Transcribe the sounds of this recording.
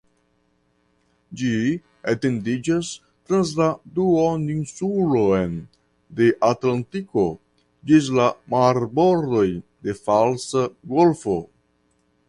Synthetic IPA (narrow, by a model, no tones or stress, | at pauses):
d͡ʒi | at̪endid͡ʒas | t̪ɾans̬lad̪uoninsuloen | d̪e̞ʔat̪lant̪iko̞ | d͡ʒis̬lamaɾbo̞ɾd̪o̞jd̪e̞falsaɡolfo